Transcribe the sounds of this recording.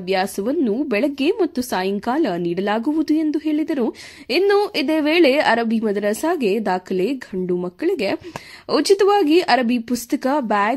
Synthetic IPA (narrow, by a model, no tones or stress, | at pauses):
ʋjaːsɐʋɐnːubɛɭɐɡːe̞mɐt̪ːusaːjɐŋkaːlɐniːɽɐlaːɡuʋud̪ue̞nd̪uɦe̞ːɭid̪ɐɾu | inːuʔid̪eːʋeːɭe̞ɐɾɐbʱimɐd̪ɐɾɐsaːɡe̞d̪aːkʰɐleːɡʱɐɳɖumɐkːɐɭiɡe̞ɐt͡ʃit̪ɐʋaːɡiʔɐɾɐbipust̪ɐkɐbaː